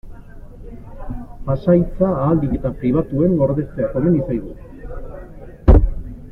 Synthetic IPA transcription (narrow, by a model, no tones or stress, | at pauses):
pasajt͡saːld̪iɣit̪apɾiβ̞at̪ue̞ŋɡo̞ɾðe̞st̪eat̪omenisajðu